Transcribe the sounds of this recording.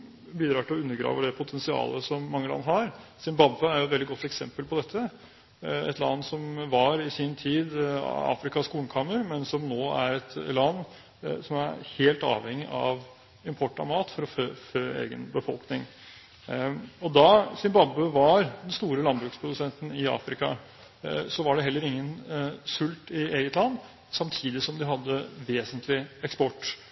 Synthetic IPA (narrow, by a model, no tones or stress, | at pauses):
biːd̪ɾɑːʈɪlɔʉnːəɡɾɑ̰ːʋəd̪ɛpʰʊt̪ʰɛnsɪɑ̰ːləsɔmːɑŋːəlɑ̰nːɦɑɾsɪmbɑbːəæɾjʊɛt̪ʋɛld̪ɪɡɔt̪ːɛksɛ̰mpəlpʰɔd̪ɛt̪ʰːə | ɛ̰t̪lɑ̰nːsɔmʋɑɾɪsɪnt̪ʰiːd̪ɑ̰ːfɾɪkɑskuːln̩kʰɑːməɾmɛnsɔmnoːæɾɛt̪lɑnː | sɔmæɾheːlt̪ɑ̰ːʋhɛŋːɪʔɑʋ | ɪmpʰɔʈːɑ̰mɑːt̪fɔɾɔføːføːḛːɡə̰nbəfɔ̰lknɪŋ | ɔd̪ɑsɪmbɑbːəʋɑɾd̪ɛnst̪uːɾəlɑnbɾʉːkspʰɾʊd̪ʉsɛnt̪ən̩ɪɑ̰ːfɾɪkɑ | sɔʋɑɖɛɦɛlːəɾɪŋːənsʉlt̪ɪeːɡət̪lɑnː | sɑmt̪ʰiːd̪ɪsɔmd̪ɪɦɑd̪ːəʋeːsənt̪ʰlɪɛkspɔʈː